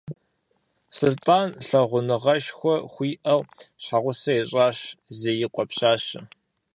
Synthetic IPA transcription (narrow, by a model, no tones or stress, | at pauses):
sɨrtʼaːnɬɐʁʷʊnɨʁɐʃxʷɔxʷiːʔɐwɕħaʁʷʊsɐɛɕʼaːɕzeːjɪqʷʼɔpɕaːɕɨ